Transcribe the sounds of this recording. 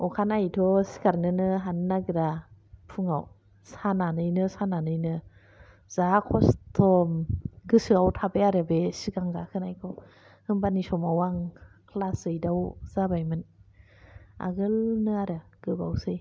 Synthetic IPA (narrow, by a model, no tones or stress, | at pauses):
ɔkʰanajtʰɔsi̥kaɾnɯnɯɦanːaɡɯɾapʰuŋaw | sananɯjnɯsananɯjnɯ | z̥akʰɔstʰɔmɡɯsɯawtʰabeaɾɯbesiɡaŋɡakʰɯnajkʰɔw | hɯmbanisɔmawaŋkʰlaszɯjdawz̥abajmɯn | a̰ɡɯlnɯaɾɯɡ̥ɯbawsɯj